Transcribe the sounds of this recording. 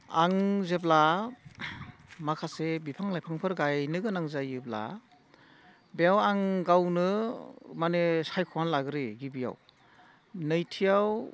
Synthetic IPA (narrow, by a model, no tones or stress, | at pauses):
aŋzebla | makʰasebipʰaŋlajpʰaŋpʰɯɾɡajnɯɡɯnaŋzajɯbla̰ | bejawaŋɡawnɯmanesajkʰɔwanlaɡɾeɡibija̰w | nɯjtʰijaw